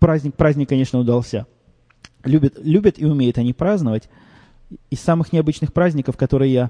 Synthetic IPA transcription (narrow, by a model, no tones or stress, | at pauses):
pɾazʲnʲɪk̚pɾazʲnʲɪkːɐnʲeʂnəʊd̪ɐlˠsʲa | lʲubʲɪt̪lʲubʲət̪ɪʊmʲejʊt̪ɐnʲipɾaznəvətʲ | ɪsːamɨxnʲɪɐbɨt͡ɕnɨxpɾazʲnʲɪkəfkɐt̪o̞ɾɨjɪja